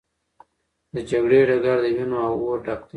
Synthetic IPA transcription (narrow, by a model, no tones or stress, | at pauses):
d̪əd͡ʒaɡɽeɖaɡaɾd̪əwinoawoɾɖaqt̪